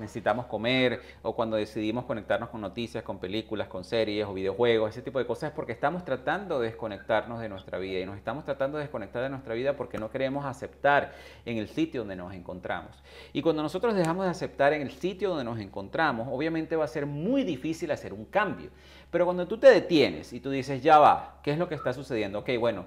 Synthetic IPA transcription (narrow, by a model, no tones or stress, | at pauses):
nesesit̪amo̞sko̞me̞ɾ | okwand̪o̞ð̞e̞siðimo̞sko̞nek̚t̪aɾno̞sko̞ŋno̞t̪isjasko̞mpe̞likulasko̞nse̞ɾje̞so̞β̞iðeoxwe̞ɣ̞ose̞s̬e̞t̪ipoðeko̞sasespo̞ɾkeːst̪amost̪ɾat̪and̪o̞ðeðesko̞ne̞k̚t̪aɾno̞zðenwe̞st̪ɾa̰β̞iðaino̞sest̪amo̞st̪ɾat̪and̪oeesko̞ne̞k̚t̪aɾðenwest̪ɾaβiðapo̞ɾke̞no̞ke̞ɾe̞mo̞sase̞pt̪aɾ | e̞ŋe̞lsit̪joond̪eno̞̰se̞ŋko̞nt̪ɾa̰mo̞s | ikwand̪o̞no̞so̞t̪ɾo̞zðe̞xamozðe̞ase̞p̚t̪aɾe̞ŋe̞lsit̪joo̞nd̪eno̞s̬e̞ŋko̞nt̪ɾamo̞so̞βjamẽ̞nt̪eβase̞ɾmujðifisilase̞ɾuŋkambjo̰ | pe̞ɾokwand̪o̞t̪ut̪e̞ðe̞t̪je̞nḛsit̪uðise̞sʝaβakeezlokeːst̪asuse̞ð̞je̞nd̪ooke̞jbwe̞no̞